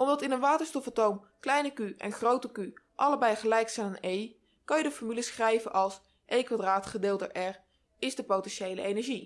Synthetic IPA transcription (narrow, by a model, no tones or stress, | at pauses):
ʔɔmdɑtɪnənʋaːtəɹstɔfətowm | klɛjnəkyʔɛ̰nχrowtəky | ʔɑləbɛjχəlɛjksɛjnanej | kɑnjədəfɔɹmyləsχrɛjvənʔɑlˠs | ʔejkʋadraːtχədɪːlˠtə̰ʔɛɹ | ɪzdəpowtɛnʃejlə̰ejnɛɹʒi